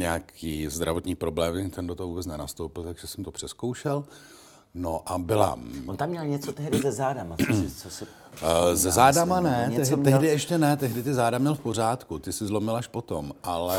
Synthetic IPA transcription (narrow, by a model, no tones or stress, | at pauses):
ɲɛakiːzd̪ɾa̰vot̪ɲiːpɾo̞blɛːmɛnt̪ɛndot̪oɦvuːbɛt͡snɛnast̪owpɪlt̪aɡʒɛsɛmt̪opr̥ɛskowʃɛl | noʔabɪla̰ont̪amɲɛlɲɛt͡sot̪ɛɦdɪzɛzaːdamat͡sosɪ | zɛzaːdamanɛt̪ɛɦt̪ɛɦdɪʔɛʃcɛnɛt̪ɛɦdɪt̪ɪzaːdamɲɛlfpo̞r̝aːt̪kut̪ɪsɪzlo̞mɪlaʃpo̞t̪omʔalɛ